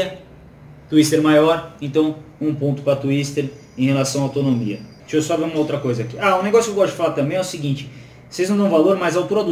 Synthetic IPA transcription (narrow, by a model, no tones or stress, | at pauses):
ɐ | t̪uist̪eɾmajɔɾẽnt̪ɐ̃w̃ũpõnt̪ʊ̥pɾɐt̪uist̪eɾ | ẽj̃helasɐ̃w̃ɐawt̪onomḭɐ | t͡ʃiewsɔveũmɐowt̪ɾɐkojzɐakiaʊneɡɔsʊkewɡɔst̪ʊd͡ʒɪ̥falaɾt̪ɐ̃mbẽj̃ɛʊsiɡĩnt͡ʃɪ̥ | osejznɐ̃d̪ɐ̃w̃valoɾmajzawt̪uɾɐd̪u